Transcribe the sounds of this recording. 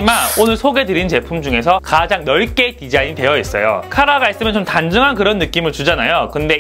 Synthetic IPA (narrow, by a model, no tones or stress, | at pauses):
manonɯɭsʰoɡe̞dɯɾint͡ɕe̞pʰumd͡ʑuŋe̞sʰʌkad͡ʑaŋnʌɭk͈e̞tid͡ʑaiɲitwe̞jʌis͈ʌ̰jo̰kʰaɾaɡais͈ɯmjʌnt͡ɕomtand͡ʑɯŋɦankɯɾʌnːɯk͈imɯɭt͡ɕud͡ʑanajokɯnde̞